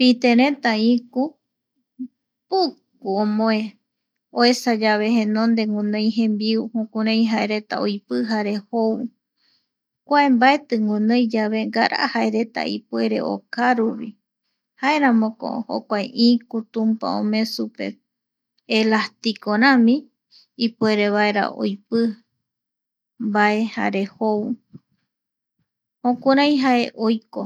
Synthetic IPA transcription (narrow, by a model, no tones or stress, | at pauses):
pit̪ẽɾẽt̪aĩku | puk | uõmõẽ | oe̞sad͡ʒaβe̞hẽnõnd̪e̞ŋɡũnõjɦẽmbiuhũkuɾẽj̃ɦaeɾe̞t̪a̰ojpɨɦaɾe̞how | kʷaẽmbaet̪ɨŋɡũnõjd͡ʒaβe̞ŋɡaɾʔa̰ʔhaeɾe̞t̪a̰ḭpwe̞ɾe̞̰ʔo̰kaɾuβi | hae̞ɾãmõko̰ho̰kʷaeʔĩkut̪ũmpa̰õ̰mẽ̞supe̞̰ | elast̪ikoɾãmĩ | ipueɾe̞βaeɾa̰ʔo̰jpɨ | bae̞ha̰ɾe̞how | hõkuɾãj̃ɦae̞ʔojko